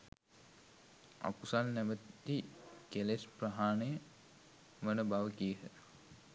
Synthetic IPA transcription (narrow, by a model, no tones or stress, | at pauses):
a̰kusalnæʋət̪t̪ikelespraɦaːnəjə | ʋənəbaʋəkijəɦə